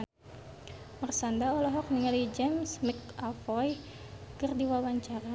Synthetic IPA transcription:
mərsandaɔlɔɦɔk̚niŋalid͡ʒɛmsmikafɔj | kərdiwawaɲt͡ʃaɾa

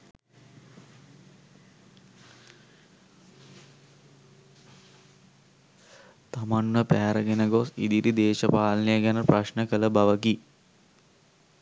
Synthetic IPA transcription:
t̪amanməpæːɾəɡenəɡosḭd̪iɾid̪eːʃəpaːlənejəɡænəpraʃnəkələbaʋəɡi

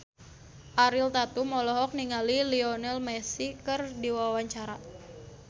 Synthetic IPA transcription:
ʔaɾilt̪at̪umɔlɔɦɔk̚niŋaliliɔnɛlmɛsikɨrdiwawaɲt͡ʃaɾa

